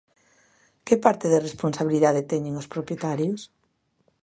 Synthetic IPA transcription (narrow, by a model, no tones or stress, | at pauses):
kepaɾt̪ɪðeresponsaβiliðaðet̪ɛɲẽŋospɾopjet̪aɾjʊs